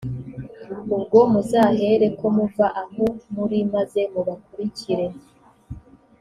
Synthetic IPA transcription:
ubɡo̞muzaɦe̞ɾe̞ko̞muvaʔahomuɾimaze̞muβakuɾiciɾe̞

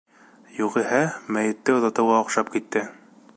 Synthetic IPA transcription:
juʁihæmæjɘ̆t̪ːɘŏzɑt̪ɤ̆wʁɑŏqʃɑp̚kit̪ːɘ

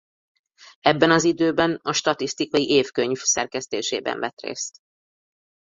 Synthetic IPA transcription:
ɛbːɛnɒzid̪øːbɛnɒʃt̪ɒt̪ist̪ikɒjiʔeːfkøɲvsɛrkɛst̪eːʃeːbɛ̰ɱvɛt̪rḛːst̪

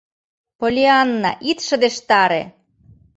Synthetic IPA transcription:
polʲiɑnːɑ̰ʔit̪ʃə̆d̪eʃt̪ɑɾḛ

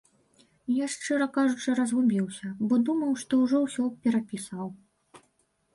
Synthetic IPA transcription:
jaʂt͡ʂɨɾɐkaʐut͡ʂɨɾɐzɣumʲiwsʲɐbɔd̪umɐwʂt̪ɔuwʐɔwsʲɔpʲɛɾapʲisɐw

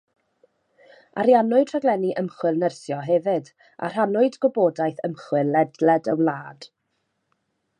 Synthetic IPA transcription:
a̰ɾjanʊɨtʰr̥aɡlˠɛniʔəmχwɪlˠnərsjɔɦɛvɪd | ʔa̰r̥anʊɨdɡɔboːdajθəmχwɨlɛdlɛdə̰wlˠaːd̥

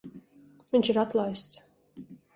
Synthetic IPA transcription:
viɲʲt͡ʃiɾat̪lˠajst̪s

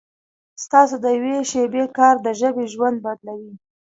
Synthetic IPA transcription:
st̪ɑsod̪əjaweʃebekɑɾd̪əʒəbeʒwand̪̚bad̪lawi

